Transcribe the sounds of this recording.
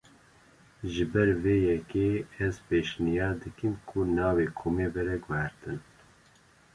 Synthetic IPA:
ʒɨbɛɾveːjɛkeːɛzpeːʃnijɑːɾd̪ɨkimkʰunɑːveːkʰoːmeːbɛɾɛɡɛhɛɾt̪ɨn

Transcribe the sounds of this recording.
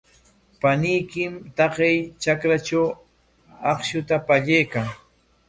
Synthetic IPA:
panɪjkɪmt̪ɑqejt͡ʃakɾat͡ʃaw | ɑχʃʊt̪apaʎejkaŋ

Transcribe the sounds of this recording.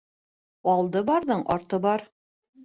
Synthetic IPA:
ɑlˠd̪ɤbɑɾðɤɴʔɒɾt̪ɤbɑɾ

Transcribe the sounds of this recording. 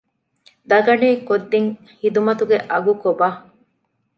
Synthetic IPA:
d̪ɐɡɐneːkod̪ːiŋ | hid̪umɐt̪uɡeʔɐɡukobaː

